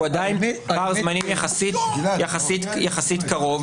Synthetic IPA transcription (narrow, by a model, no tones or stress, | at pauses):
adainaʁzmanimjaχasit̪jaχasitjaχasit̪kaʁo̞v